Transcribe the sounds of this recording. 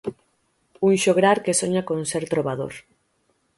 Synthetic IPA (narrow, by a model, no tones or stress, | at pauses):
uŋʃoɣɾaɾkesoɲakonseɾt̪ɾoβ̞aðo̰ɾ